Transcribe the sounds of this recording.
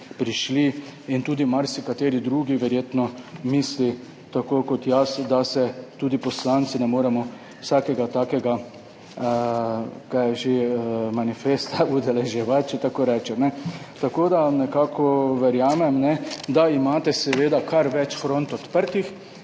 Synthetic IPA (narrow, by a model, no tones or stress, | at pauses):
pɾiʃliint̪uːd̪imaɾsikat̪eːɾid̪ɾuːɡiʋɛɾjeːt̪nɔmiːsli | t̪akokɔt̪jasd̪asɛt̪uːd̪ipɔslant̪sinɛmoːɾɛmɔ | wsaːkɛɡat̪aːkɛɡa | kajɛʒemanifest̪aud̪ɛlɛʒjɛʋat̪̚t͡ʃɛt̪akoːɾɛːt͡ʃɛt̪nɛt̪akoːd̪anɛkaːkʰɔʋɛɾjaːmɛmnɛd̪aimaːt̪ɛsɛʋeːd̪akaɾʋɛt͡ʃfɾõnt̪ɔt̪pəɾt̪ix